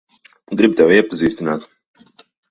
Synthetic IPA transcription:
ɡɾib̚t̪ɛwiɛpaziːst̪inaːt̪

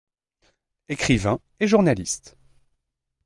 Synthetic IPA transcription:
ekχivɛ̃ | eʒuʁnalist̪

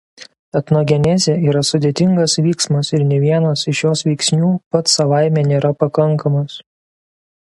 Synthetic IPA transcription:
ɐt̪noɡʲɛnʲɛzʲɛiːɾɐsʊd̪ʲeːt̪ʲɪŋɡɐsʋʲiːksmɐsɪɾnʲɛʋʲiɛnɐsɪʃjoːsʋʲɛɪksʲnʲuːpɐt̪sɐʋɑˑɪmʲɛːnʲeːɾɐpɐkɐŋˑkʰɐmɐs

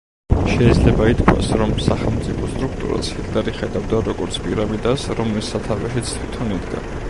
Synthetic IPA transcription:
ʃɛid̪zlɛbait̪kʰwa̰sɾɔmsaχɛlˠmt̪sʼipʰɔst̪ʼɾukʰt̪ʼṵɾa̰siɡaɾiχɛd̪avd̪aɾɔɡɔɾt̪sʰpʼiɾamid̪asɾɔmlisːat̪ʰavɛʃit̪sʰt̪ʰwit̪ʰɔnid̪ɡa̰

